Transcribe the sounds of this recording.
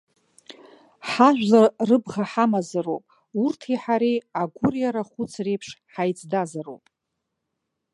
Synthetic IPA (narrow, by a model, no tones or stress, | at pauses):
ħaʒᶣʷlarɨbʁaħamazaro̰wpʼ | urtʰiħaɾiaɡʷʊrjaɾaχʷʊt͡sʰrejpʰʂħajt͡sʼʰdazaro̰wpʼ